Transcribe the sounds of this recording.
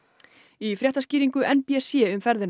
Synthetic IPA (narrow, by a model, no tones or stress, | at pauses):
ifɾjɛht̪asciːɾiŋkʏʔɛnpiɛsjɛʏmfɛɾðɪn